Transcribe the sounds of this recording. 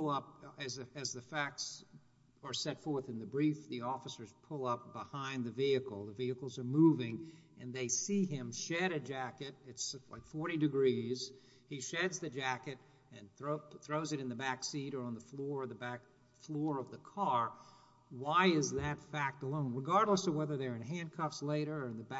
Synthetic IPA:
lˠʌp̚ɨzɨɨzðɨfæk̚ts | ə˞sɛtfɔɹθɨ̃nðɨbɹifðiɔfəsə˞z̥pʰʊlˠʌp̚b̥əhãɪ̃nðɨviɨkl̩ˠðəviɨkl̩ˠzə˞muvɪ̃ŋɨ̃nðeɪsiɪ̃mʃɛɾɨd͡ʒækɨɾɪtsla̰ɪkfɔɹɾidɨɡɹiz̥ | iʃɛdzðɨd͡ʒækɨɾ | ɨ̃nθɹoʊθɹoʊzɨɾɨ̃nðɨbæksiɾə˞ə̃nðəflɔɹʌðəbæk | flɔɹʌvðəkʰɑɹ | waɪɪzðɨtfæk̚təlõʊ̃nɹɨɡɑɹdˡləsʌvwɛðə˞ðə˞ɨ̃nɦæ̃nkʰʌfsleɪɾə˞ɨ̃nðəb

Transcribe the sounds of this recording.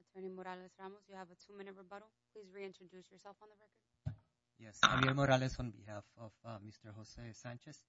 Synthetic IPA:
ətʰɜ˞nimɔɾælˠɨsɹamozjɨːvətʰumɪ̃nɨɹəbʌɾl̩ˠpʰl̥izɹiɪ̃nt͡ʃɹ̥ɨdʉsjə˞sɛlˠfn̩ðəɹɛkə˞d̥̚ | jɛsã̰miɾmoɾælɛsɔ̃n̩bihæfɔv̥mɪstə˞ɦosesæ̃nt͡ʃɨs

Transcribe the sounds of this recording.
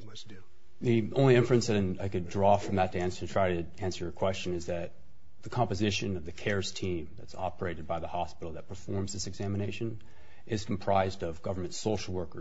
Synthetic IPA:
ðiõʊ̃nliɪ̃ɱfɹɨ̃nsðɨɾɨ̃naɪkɨdɹɔfɹʌ̃mðɨtʰɨæ̃nsə˞ɨntʰɹ̥aɪɾɨ | æ̃nsə˞əkʰw̥ɛst͡ʃɨ̃nɨzðɨt̪̚ | ðɨkʰɑ̃mpɨzɪʃɨ̃nʌvðɨkʰɛɹz̥tʰĩmðɨtsɑ̰pə˞eɪɾɨd̚baɪðəhɑspɪɾl̩ˠðɨt̚pʰə˞fɔɹmzðɪsɨɡzæməneɪʃɨ̃n | ʔɪz̥kʰm̩pʰɹ̥aɪzdʌvɡʌvə˞mɨ̃ntsoʊʃl̩ˠwɜ˞kə˞

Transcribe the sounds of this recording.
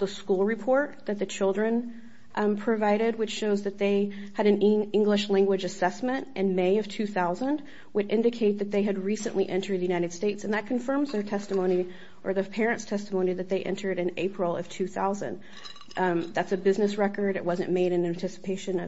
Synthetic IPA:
ðəskulˠɹɨpʰɔɹt̪̚ðɨt̪̚ðɨt͡ʃʰɪlˠdɹɨ̃n | pʰɹ̥ɨvaɪɾɪd̚wɨt͡ʃʃoʊzðɨt̪̚ðeɪ | ɨɾɨ̃nɪɪ̃ŋɡləʃlæ̃ŋɡwɨd͡ʒɨsɛsmɨ̃ntʔɨ̃nmeɪʌv̥tʰʉθaʊzə̃nd | wɨɾɪ̃ndɨkʰeɪt̪̚ðɨt̪̚ðeɪɨd̚ɹisɨ̰̃nʔliʔɛ̃ntʰə˞d̪̚ðɨjʉñaɪɾɨd̥steɪtsɨ̃n̩ðɨt̚kʰɨ̃ɱfɜ̃˞mzðə˞tʰɛstəmõʊ̃ñi | ʔə˞ðəpʰɛɹɨ̃ntstʰɛstəmõʊ̃niðɨt̪̚ðeɪʔɛ̰̃ntʰə˞ɾɨ̃nḛɪpʰɹl̩ˠʌ̰v̥tʰʉθa̰ʊzɨ̰̃n | ðætsɨbɪznɨsɹɛkə˞dɨ̰t̚wʌzɨ̰̃nmeɪɾɨ̃næ̃ntʰɪsə̥pʰeɪʃɨ̃nʌ

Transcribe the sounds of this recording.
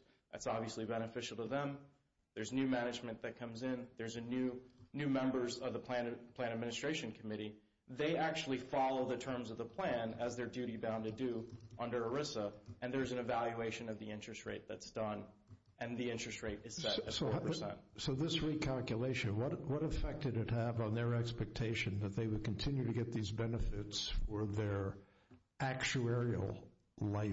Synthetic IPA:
ðæ̰tsɑbviɨslibɛñɨfɪʃl̩ˠtəðə̃m | ðə˞znʉmænɨd͡ʒmɨ̃nðɨt̚kʰʌ̃mzɪ̃nðə˞zɨnʉnʉmɛ̃mbə˞zʌvðəpʰl̥æ̃npʰl̥æ̃ñɨd̚mɪ̃nɨstɹ̥eɪʃɨ̃n̩kʰɨmɪɾi | ðeɪʔæk̚t͡ʃul̩ˠifɑlˠoʊðɨtʰɜ̃˞mzʌvðəpʰl̥æ̃nɨzðə˞dʉɾibãʊ̃ntɨdɨʔʌ̃ndə˞ə˞ɪsəɨ̃nðə˞zɨ̃nɨvælˠjʉeɪʃɨ̃nʌvðiɪ̃nt͡ʃɹ̥ɨst̚ɹḛɪt̪̚ðɨtsd̥ʌ̃n | ɨ̃nðiɪ̃nt͡ʃɹ̥ɨst̚ɹeɪɾɨz̥sɛɾɨtsoʊə˞sɛ̰̃nt̚soʊðɪsɹikʰælˠkjɨleɪʃɨ̃nwʌɾwʌɾəfɛk̚tɨɾɨt̚hɨvn̩ðə˞ɛkspɛk̚tʰeɪʃɨ̃nðɨt̪̚ðeɪwɨd̚kʰɨ̃ntʰɪ̃njʉɾɨɡɛt̪̚ðizbɛnəfɪtsfə˞ðə˞ | ʔæk̚t͡ʃuɛɹil̩ˠ | laɪ

